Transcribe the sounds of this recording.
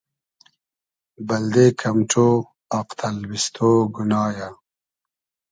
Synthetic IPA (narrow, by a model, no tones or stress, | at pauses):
bɐld̪ekʰɐmʈ͡ʂʰo | aqt̪ʰɐlwist̪ʰoɡunɑːja